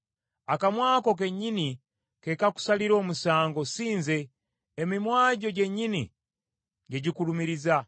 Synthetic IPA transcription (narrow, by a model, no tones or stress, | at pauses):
akamwaːko̞k̬e̞ɲːini | ke̞kaku̥saliɾo̞ːmusaːŋɡo̞siːnze̞ː | mimwaːɟo̞ɟe̞ɲːinḭ | ɟe̞ɟikulumiɾiza